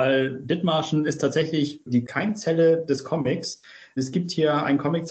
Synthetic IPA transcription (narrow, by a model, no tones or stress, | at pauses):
vaɪldɪtmaːʃn̩ɪstʰaːtz̥ɛçlɪçd̥iːkʰaɪnt͡sɛləd̥ɛskʰɔmɪks | ɛsɡ̥iːp̚thiːɐa̰ɪnkʰɔmɪk̚t͡s